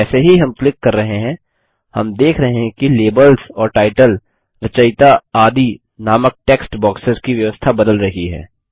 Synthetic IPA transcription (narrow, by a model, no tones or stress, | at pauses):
ɛːseɦiɦɐmklɪkːɐɾːɐɦeɦɛ̃ | hɐmd̪eːkʰɾɐɦẽɦɛ̃kileːbəlzɔːɾʈaːɪʈəl | ɾɐt͡ʃəɪt̪aaːd̪ʱi | naːmək̚ʈeːksʈbɔːksəzkiʋjɐʋəst̪ʰabɐd̪əlɾɐɦiɦɛ̰ː